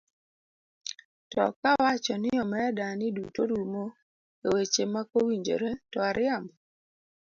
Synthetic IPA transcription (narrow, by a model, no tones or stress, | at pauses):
tɔ̰kawat͡ʃɔnɪɔmɛdanɪdutoɾumo | ewet͡ʃemakowiɲd͡ʒo̰ɾetɔaɾʔɪamɔ